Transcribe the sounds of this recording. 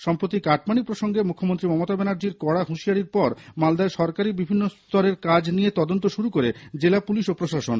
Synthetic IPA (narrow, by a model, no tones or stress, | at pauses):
ʃɔmpɾot̪ikaʈmanipɾoʃoŋɡemukʰːomont̪ɾimɔmot̪abɛnaɾd͡ʑiɾkɔɽaɦuʃiaɾiɾpɔɾmald̪aeʃɔɾkaɾibibʱinːost̪ɔɾeɾkad͡ʑnijet̪ɔd̪ont̪oʃuɾukoɾed͡ʑelapuliʃopɾoʃaʃon